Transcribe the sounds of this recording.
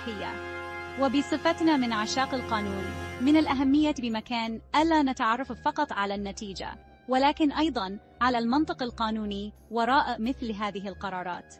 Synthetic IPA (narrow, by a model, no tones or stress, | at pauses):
ħɪjːa̰wabɪsˤɨfat̪naːmɪnʕaʃaːqalqɑːnuːnmɪnalʔaɦamːɪjːabɪmakaːnʔalaːnat̪aʕɑrˤːɑffɑqɑt̪ˤʕalaːnːat̪iːd͡ʒa̰ | walaːkɪnʔɑjd̪ˤɑn | ʕalaːlmɑnt̪ˤɨqalqɑːnuːni | wɑɾˤɑːʔɪmɪθlɦaːðɪɦɪlqɑɾˤɑːɾˤɑ̰ːt̪